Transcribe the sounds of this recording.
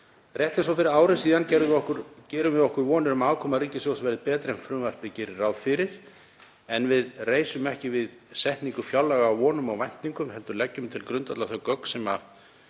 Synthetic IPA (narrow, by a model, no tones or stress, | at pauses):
rjɛht̪ɪnsɔwfɪɾɪɾaːwɾɪsiːðancɛɾðʏvɪɔhkʏɾ̥cɛːɾʏmvɪðɔhkʏɾvɔːnɪɾʏmaːwkʰɔːmariːcɪsɔɔsvɛːɾðɪpɛːt̪ɾɛnfɾʏːvar̥pɪcɪɾraːwðfɪɾɪɾ̥ | ɛnvɪðreːjsʏmɛhcɪvɪðsɛht̪niŋkʏfjawlːɛɣaːwvɔːnʏmawvajn̥t̪niŋkʏmɦɛlt̪ʏɾlɛcːʏmt̪ʰɪlkɾʏnt̪at̪laθœɥkœkn̥sɛma̰